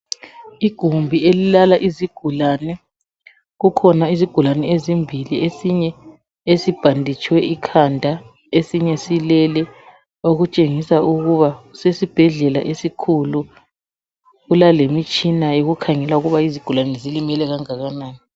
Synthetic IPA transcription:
iɡ̥ʱumbʱielilalaʔiziɡ̥ʱulanɛ | ɣukʰɔnaiziɡ̥ʱulanɛezimbʱiliesiɲɛ | esib̥ʱandʱit͡ʃʼwɛʔikʰandʱa | esiɲɛsilɛlɛ | oɣut͡ʃʼeŋisauɣuβausesib̥ʱɛɮɛla̰ʔesikʰulu | ɣulalemit͡ʃʼinajoɣukʰaŋɛlauɣuβaiziɡ̥ʱulanɛzilimɛlɛɣaŋaɣanaːni

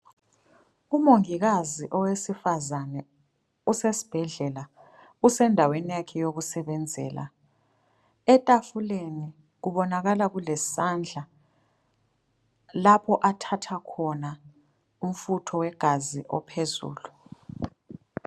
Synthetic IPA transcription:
umoŋiɣaziʔɔwesifazanɛ | usesi̥b̥ʱɛɮɛla | usɛndʱawenijakʰɛjoɣusɛɓɛnd͡zʱɛ̰ːla̰ | ɛtʼafuleni | ɣuβɔnaɣalaɣulɛsand͡ɮʱa | lapʰɔʔatʰatʰakʰɔna | um̩futʰɔwɛɡ̥ʱaziʔɔ̰pʰezṵːlu

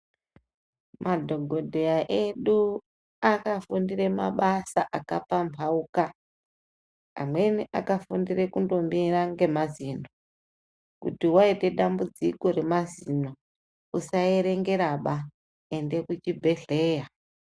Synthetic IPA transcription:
mʔadʱo̞ɡʱo̞dʱejaʔeɗu | akafundire̞ma̰ɓasaʔakapampʰauka | a̰mwe̞niʔa̰kafundire̞kundo̞mbiraŋɡe̞mazino | kṵtiwaite̞ɗambud͡ziko̞ɾe̞mazino | usae̞ɾe̞ŋɡe̞ɾaɓa | e̞nde̞kut͡ʃibʱe̞ɮe̞ːja

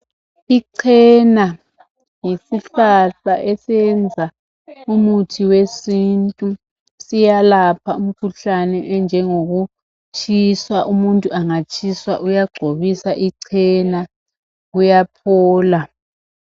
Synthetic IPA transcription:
iǀʰɛna | jisiɬaɬaʔesɛnd͡zʱa | umutʰiwesintʼu | sijalapʰaum̩kʰuɬanɛʔɛnd͡ʒʱɛŋoɣu | t͡ʃʰʼiswaʔumuntʼuaŋat͡ʃʰʼiswa̰ʔujaɡ͡ǀʱoβisaʔiǀʰɛna | ɣujapʰɔːla

